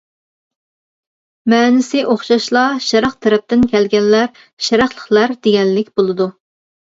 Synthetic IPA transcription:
mɛːnɪsɪʔoχʃɑʃlˠɑʃɛɾɑχt̪ʰɛɾɛp̚t̪ɪnkʲʰælɡʲɛnlːæɾ | ʃɛɾɑχlˠəχlˠæɾd̪̥eɡʲɛnːɪkʲbolˠɨd̪u

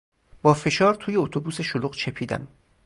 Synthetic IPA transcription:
b̥ɒːfe̞ʃɒːɾt̪ʰuːje̞ot̪ʰobuːse̞ʃoloqt͡ʃʰe̞pʰiːd̪æ̰m

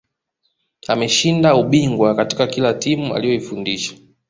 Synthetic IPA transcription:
a̰mɛʃindauɓiŋɡwakati̥kakilatimua̰lijɔifundiʃḁ

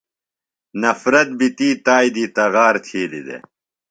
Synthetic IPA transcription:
nɐfɾɐt̪̚bit̪iːt̪aːjd̪iːt̪ɐɣaːɾt̪ʰiːlḭd̪ḛ

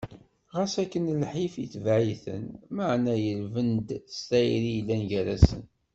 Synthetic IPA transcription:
ʁæsækːənlħifjiθvʕiθə̰nməʕnæjəlvənd̪st̪æjɾijlːænʝæɾæsə̰n

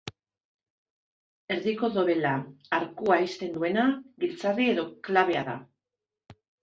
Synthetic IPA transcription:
e̞ɾðiko̞ðo̞βe̞laːɾkuaist̪e̞nd̪ue̞naɡilt͡sarie̞ðo̞klaβe̞aða̰

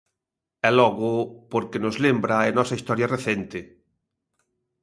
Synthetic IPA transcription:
ɛlɔɣʊpoɾkenʊzlembɾaenɔsɐist̪ɔɾjɐreθent̪ɪ

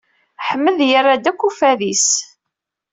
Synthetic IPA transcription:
ħəmːəðjarːad̪ækʷːufæðis

